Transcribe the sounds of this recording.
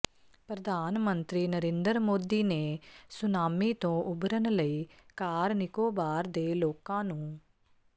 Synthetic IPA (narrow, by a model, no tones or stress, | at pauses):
pɾəd̪ʱaːnmənt̪ɾiːnəɾẽːnd̪əɾmoːd̪iːneːsʊnaːmiːt̪õːʔʊbɾənləiːkaːɾnɪkoːbaːɾd̪eːloːkãːnũː